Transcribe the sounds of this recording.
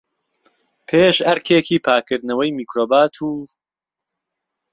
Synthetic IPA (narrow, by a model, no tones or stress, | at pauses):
pʰeːʃhɐɾkʰeːkiːpʰaːkʰɨɾd̪nɐwɐjmiːkɾoːbaːt̪ʰuː